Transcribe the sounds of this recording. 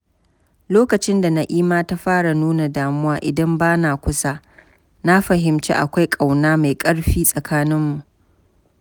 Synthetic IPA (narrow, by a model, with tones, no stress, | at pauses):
loː˦kɐ˨t͡ʃɪ˦nda˨na˦ʔiː˦maː˦ta˦ɸaː˦ɽa˨nuː˦na˨daː˨mʊ˦waː˨ʔɪ˨dɐ˦mbaː˦naː˨kʷʊ˦sa˦ | na˦ɸɐ˨ɦɪ˨mt͡ʃḛ˦ʔa̰˨kʷa˦jkʼa˨wnaː˦ma˨jkʼɐ˦ɽɸiː˦sʼɐ˨kaː˦nɪ˦mːu˨ʔ